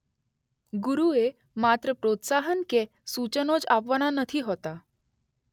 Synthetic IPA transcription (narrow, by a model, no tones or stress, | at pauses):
ɡuɾue | mat̪ɾəpɾot̪saɦənke | sut͡ɕənod͡zaʋʋnanət̪ʰiːɦot̪a